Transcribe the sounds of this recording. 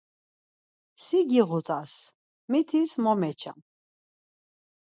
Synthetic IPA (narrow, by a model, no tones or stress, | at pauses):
siɡiʁut̪ʼas | mit̪ʰismɔmɛt͡ʃʰa̰m